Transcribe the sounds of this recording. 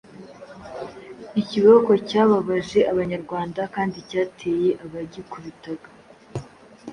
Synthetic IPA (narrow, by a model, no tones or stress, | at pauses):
iciβoko̞caːβaβaʒe̞ʔaβaɲaɾɡwaːndakaːndicaːtʰe̞je̞ʔaβaɟikuβitaɡa